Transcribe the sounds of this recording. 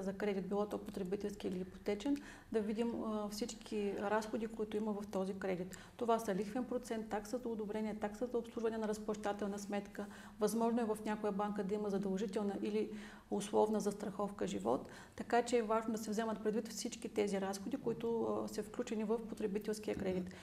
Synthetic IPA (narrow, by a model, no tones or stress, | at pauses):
zɐkɾɛd̪it̪̚bilˠɔt̪ɔpot̪ɾɛbit̪ɛlˠskiiliipo̥t̪ɛt͡ʃɛn | d̪ɐvid̪imfsit͡ʃkʲʰiɾasxod̪ikoit̪ʊiməvɐft̪ɔzikɾɛd̪it̪ːovasɐlixvɛnpɾot̪sɛnt̪ːaksəzɐʊd̪obɾɛniɛt̪aksəzɐopslˠuʒvɐnɛnɐɾɐspɐʃt̪at̪ɛlˠnəsmɛt̪kə | vɐzmɔʒnoɛvɐfnʲakojəbaŋkəd̪ɐiməzɐd̪ɐlˠʒit̪ɛlˠnəʔili | ʊslˠɔvnəzɐst̪ɾɐxɔfkəʒivɔ̰t̪ː | ɐkat͡ʃɛːvaʒnod̪ɐsɛvzɛmɐt̪̚pɾɛd̪vit̪fsit͡ʃkit̪ɛziɾasxod̪ikoit̪ʊsɐfklʲut͡ʃɛnivɐfpot̪ɾɛbit̪ɛlˠskiəkɾɛd̪it̪